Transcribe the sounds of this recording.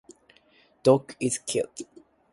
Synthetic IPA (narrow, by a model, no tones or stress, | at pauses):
d̥ɔkɪz̥kʰɪ̰lˠt